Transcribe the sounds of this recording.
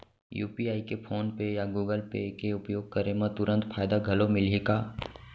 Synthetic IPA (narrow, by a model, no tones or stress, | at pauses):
jṵːpiaːikepʰoːnpejaɡuːɡəlpḛkeʊpjoːɡ̚kɐɾemə̃t̪ʊɾə̃nt̪fʰaːjd̪aɡʱɐlomɪlekaː